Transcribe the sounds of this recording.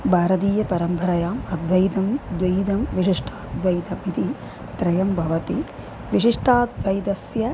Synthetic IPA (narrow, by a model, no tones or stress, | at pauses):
bʱaːɾɐt̪iːjɐpɐɾɐmpɐɾɐjaːmɐd̪ʱʋɐjd̪ɐmd̪ʋɐjd̪ɐmʋiʂiʂʈʰaːd̪ʋɐjt̪ɐmit̪i | t̪ɾɐjɐmbʱɐʋɐt̪i | ʋiʂiʂʈʰaːd̪̚ʋɐjd̪ɐsjɐ